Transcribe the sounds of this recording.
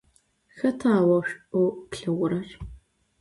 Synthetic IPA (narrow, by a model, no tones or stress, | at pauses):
xɐtʰaːwɐʃukɬɨʁʷʊɾɐr